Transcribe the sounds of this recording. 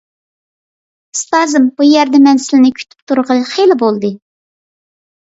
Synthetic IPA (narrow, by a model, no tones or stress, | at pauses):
st̪ɑzɨmbujɛɾd̪ɛmɛnsɪlɪnɪkʲʰy̥t̪ʰy̥pt̪ʰuɾʁəχelɪbolˠd̪ɨ